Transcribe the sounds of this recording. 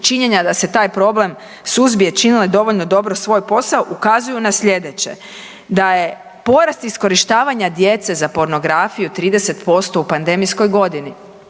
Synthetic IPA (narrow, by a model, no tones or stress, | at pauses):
t͡ʃiɲe̞ɲad̪ase̞t̪aːjpɾo̞ble̞m | suzbijet͡ʃiniled̪o̞ʋoʎno̞d̪o̞bɾosʋo̞ːjpo̞saoʔukazujunasʎʲe̞d̪e̞t͡ɕe̞̰ | d̪aje̞ | po̞ɾast̪isko̞ɾiʃt̪aːʋaɲad̪je̞t̪se̞zapo̞ɾno̞ɡɾafijut̪ɾiːd̪e̞se̞t̪po̞st̪o̞upand̪e̞mijsko̞jɡo̞d̪ini